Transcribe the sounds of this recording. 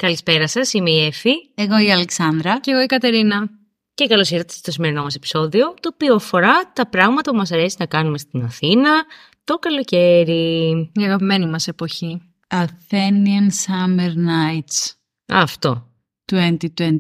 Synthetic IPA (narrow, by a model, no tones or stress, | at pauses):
kɐlispe̞ɾɐsɐsimeiefieɣo̞iɐleksɐnd̪ɾɐceɣoikɐt̪e̞ɾinɐ | ce̞kɐlo̞siɾot̪e̥st̪o̞sime̞ɾino̞mɐsepi̥so̞ðio̞t̪o̞ːpioɐfo̞ɾɐt̪ɐpɾɐɣmɐt̪ɐpumɐs̬ɐɾe̞sinɐkɐnume̞st̪inɐθinɐ | t̪o̞kɐlo̞ce̞ɾiiɐɣɐpime̞nimɐse̞po̞çi | ɐθeniɐnsɐmeɾnɐjt̪s | ɐ̰ft̪o̞ | t̪uent̪it̪en